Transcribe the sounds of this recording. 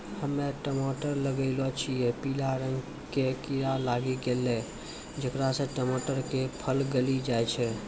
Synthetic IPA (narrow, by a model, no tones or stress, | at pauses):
həmːeʈəmoʈəɾləɡəɪlɔt͡ʃʰijɛpilaɾəŋɡ | kekiɾalaɡiɡelːɛ | d͡ʒəkɾasə̃ʈəmoʈəɾkepʰəlɡelid͡ʒajt͡ʃʰɛ